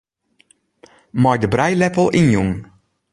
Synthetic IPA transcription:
mɔjdəbrɛjlɛpəl̩ˠʔinjuŋ

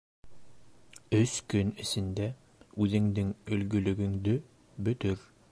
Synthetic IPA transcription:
ɵskɵnɘ̆sɘ̆nd̪æ | ʉðɘ̆ŋd̪ɘŋɵ̆lɡɵ̆lɵ̆ɡɵ̆ŋd̪ɵ | bɵ̆t̪ɵɾ

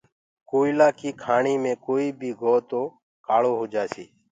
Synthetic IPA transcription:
koːilaːkiːkʰaːɳiːmẽːkoːiːbʱiːɡʱoːt̪oː | kaːɭoːɦoːd͡ʒaːsḭː

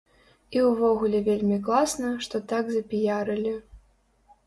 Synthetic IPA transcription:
iwvɔɣulʲɛvʲelʲmʲiklˠasnɐʂt̪ɔt̪aɡzɐpʲijaɾɨlʲi

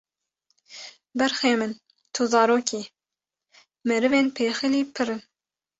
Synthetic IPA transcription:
bɛɾxeːmɨn | t̪ʰuzɑːɾoːkʰiː | mɛɾɨveːnpʰeːxɨliːpʰɨɾɨn

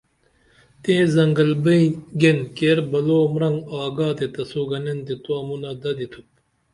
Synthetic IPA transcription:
t̪ẽːzɐŋɡɐlbɐĩɡenkeɾbɐloːmɾɐŋɡaːɡaːt̪et̪ɐsuːɡɐnent̪et̪uɐmunɐd̪ɐd̪it̪ʰup̚

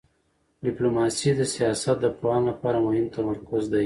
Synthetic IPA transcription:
ɖɪplomɑsid̪əsijɑsat̪̚d̪əpwɑnlapɑɾamohɪmt̪amaɾkʊzd̪aj

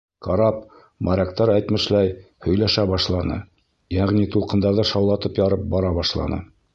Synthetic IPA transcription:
kɑɾɑp̚ | mʔɑɾʲækt̪ɑɾæjt̪mɘ̆ʃlæj | hɵ̆jlæʃæβɑʃlˠɑnɤ̰ | jæʁnit̪ulˠqɤ̆nd̪ɑɾðɤʃɑwlˠɑt̪ɤpjɑɾɤp̚bɒɾɑβɑʃlˠɑ̰nɤ̰

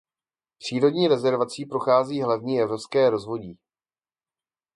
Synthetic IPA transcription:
pr̝̥iːɾodɲiːɾɛzɛɾvat͡siːpɾoxaːziːɦlavɲiːɛvɾo̞pskɛːɾo̞zvo̞ɟiː

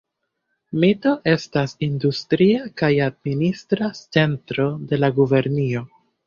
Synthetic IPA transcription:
mito̞ʔe̞stasindustɾiakajad̚ministɾat͡se̞ntɾo̞de̞laɡuve̞ɾnio̞

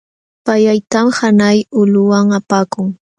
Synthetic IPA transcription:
pajajt̪amhanajʊlʊwaŋapaːkʊŋ

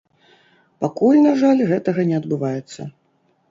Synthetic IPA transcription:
pakulʲnaʐalʲɣɛt̪ɐɣɐnʲɛɐd̪bɨvajɛt̪sːɐ̰

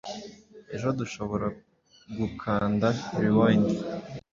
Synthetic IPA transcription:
e̞̰ʒo̞duʃo̞βo̞ɾa | ɡukʰaːndaiβiwaːɲi

